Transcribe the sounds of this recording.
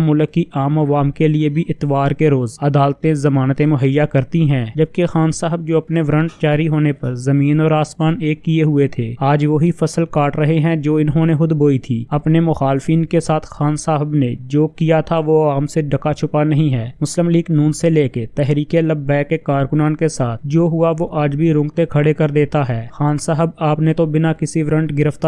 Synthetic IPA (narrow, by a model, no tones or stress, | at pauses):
mʊləkːiʔaːmɐʋaːmkeliebʱiʔɪt̪ʋaːɾkeɾoːzɐd̪aːlt̪ẽzɐmaːnt̪ẽmʊɦəjːakɐɾt̪iɦɛ̃ːd͡ʒɐb̚kexaːnsaːɦəb̚d͡ʒoːɐpneʋɾə̃ɳʈt͡ʃaːɾiɦoːnepɐɾzɐmiːnɔːɾaːsmaːneːkːieɦʊet̪ʰeːaːd͡ʒʋoɦifɐsəlkaːʈɾɐɦeɦɛ̃d͡ʒoːɪnɦõneɦʊd̪boːit̪ʰiːɐpnemʊxaːlfiːnkesaːt̪ʰxaːnsaːɦəbnḛd͡ʒoːkijat̪ʰaʋoaːmseɖɐkat͡ʃʰʊpanɐɦĩɦɛːmʊslɪmliːɡnuːnseleːket̪ɛɦɾiːkeləbːɛːkːekaːɾkʊnaːnkesaːt̪ʰd͡ʒoːɦʊaʋoʔaːd͡ʒbʱiɾʊ̃ŋɡt̪ekʰɐɽekɐɾd̪eːt̪aɦɛːxaːnsaːɦəbaːpnet̪obɪnakɪsiʋɾə̃ɳʈɡɪɾəft̪a